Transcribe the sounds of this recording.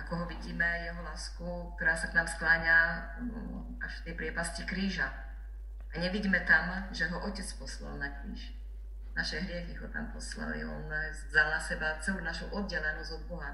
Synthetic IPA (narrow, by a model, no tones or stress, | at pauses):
akɔɦɔʋiɟiːmɛjɛɦɔlaːskuk̚t̪ɔɾaːsaknaːmsklaːɲa | aʃft̪ɛjpɾɪɛpascikɾiːʒa | aɲɛʋiɟmɛt̪amʒɛɦɔʔɔcɛt͡spɔsla̰lnakɾḭːʃ | naʃɛɦɾɪɛxiɦɔt̪a̰mpɔsla̰lḭɔ̰n | zalnasɛbat͡sɛluʊnaʃɔʊʔɔd̪̚ɟɛlɛnɔzɔd̪̚bɔɦa